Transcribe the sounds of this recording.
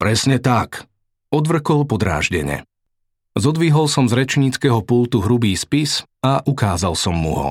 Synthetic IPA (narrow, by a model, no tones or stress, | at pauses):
pɾɛsɲɛt̪ak | ɔd̪ʋr̩kɔlpɔd̪ɾa̰ːʒɟɛɲɛ̰ | zɔd̪ʋiɦɔlsɔmzɾɛt͡ʃɲiːt͡skɛɦɔpult̪uɦɾubiːspis | aʔukaːzalsɔmːṵɦɔ̰